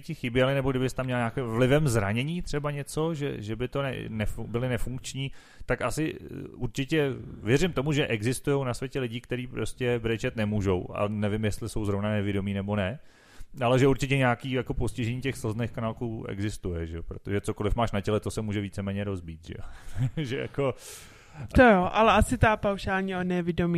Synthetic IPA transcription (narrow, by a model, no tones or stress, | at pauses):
cɪxɪbjɛlɪnɛboɡdɪbɪst̪amːɲɛlɲaːkɪmvlɪvɛmzɾaɲɛɲiːt̪r̝̥ɛbaɲɛt͡so̞ʒɛ̰ʒɛbɪt̪o̞nɛ̰nɛfubɪlɪnɛfuŋkt͡ʃɲiː | t̪akasɪuɾt͡ʃɪcɛvjɛrɪmt̪o̞muʒɛʔɛɡzɪst̪ujo̞wnasvjɛcɛlɪɟiːkt̪ɛɾiːpɾo̞scɛbɾɛt͡ʃɛt̪nɛmuːʒo̞wʔa̰nɛvɪmjɛst̪lɪso̞wzɾo̞vnanɛvɪdo̞miːnɛbo̞nɛ | ʔalɛʒɛuɾt͡ʃɪcɛɲaːkiːjako̞poscɪʒɛɲiːcɛxsl̩znejxkanaːlkuːʔɛ̰ɡzɪst̪ujɛʒɛopɾo̞̰t̪oʒɛt͡so̞ko̞lɪfmaːʃnacɛlɛt̪osɛmuːʒɛviːt͡sɛmɛːɲɛɾo̞zbiːt̪ʒɛ̰joʒɛja̰ko̞ | t̪ojoʔalɛʔasɪt̪apawʃaːlɲionɛvɪdomi